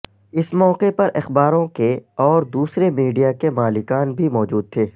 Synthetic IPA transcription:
ɪsmɔːqepɐɾʔɐxbaːɾõkeɔːɾd̪uːsɾemiːɖijakemaːlɪkaːnbʱimɔːd͡ʒuːd̪̚t̪ʰeː

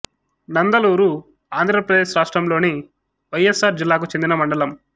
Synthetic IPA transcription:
nɐnd̪ɐluːɾu | aːnd̪ʱɾɐpɾɐd̪eːʃɾaːʂʈɾɐmlo̞ːni | ʋɐjesːaːɾd͡ʒilːaːk̬ut͡ʃend̪inɐmɐɳɖɐlɐm

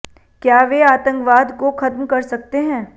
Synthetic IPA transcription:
kjaːʋeaːt̪ə̃ŋkʋaːd̪koxɐt̪mkɐɾsɐk̚t̪eɦɛ̃ː

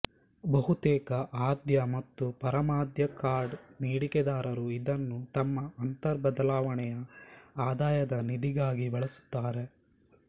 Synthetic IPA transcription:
bɐɦut̪ɛːkɐʔaːd̪jɐmɐt̪ːupɐɾɐmaːd̪jɐkaːɾɖniːɽikɛd̪aːɾɐɾuid̪ɐnːut̪ɐmːɐːnt̪ɐɾbɐd̪ɐlaːʋɐɳɛjɐaːd̪aːjɐd̪ɐnid̪iɡaːɡibɐɭɐsu̥t̪ːaːɾe̞

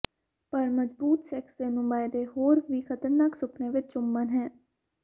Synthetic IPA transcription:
pəɾməzbuːt̪sɛksd̪eːnũːbaːɪd̪eːɦoːɾʋiːkʰət̪əɾnaːksʊpʰneːʋɪt͡ʃt͡ʃʊmːənɦɛ̃ː

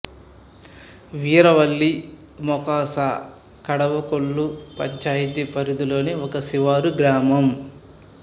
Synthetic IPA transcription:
ʋiːɾɐʋɐlːi | mɔkaːsa | kɐɽɐʋɐkoɭːupɐ̰d͡ʒaːjit̪ipɐɾid̪ulo̞ːniɔkɐsiʋaːɾuɡɾaːmɐm

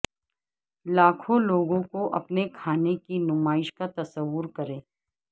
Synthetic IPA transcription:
laːkʰõloːɡõkoʔɐ̰pnekʰaːnekinʊmaːɪʃkat̪ɐsəʋːʊɾkɐɾẽː

